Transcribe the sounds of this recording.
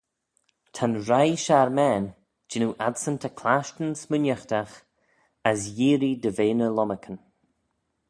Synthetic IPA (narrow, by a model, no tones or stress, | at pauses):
t̪ʰanɾajʃaɾmɛːn | d͡ʒɪnuʔadsənt̪ʰakʰlaːʃtənsmʊnjəxt̪ax | asjiːɾid̪əveːnəlɔməkʰən